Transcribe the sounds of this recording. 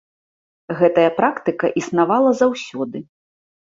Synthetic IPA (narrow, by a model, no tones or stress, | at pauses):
ɣɛt̪ɐjɐpɾakt̪ɨkɐʔisnavalˠɐzawsʲɔd̪ɨ